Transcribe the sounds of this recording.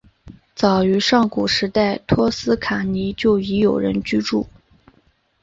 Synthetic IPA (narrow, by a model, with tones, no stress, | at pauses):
t͡sɑ˨˩ʊy˧˥ʂɑ˥˩ŋku˨˩ʂɻ̩˧˥t̪a˥˩ɪt̪ʰwɔ˥sɹ̩˥kʰa˨˩ni˧˥t͡ɕjo˥˩ʊi˧˥jo˨˩ʊɻə̰˧˥nt͡ɕy˥ʈ͡ʂṵ˥˩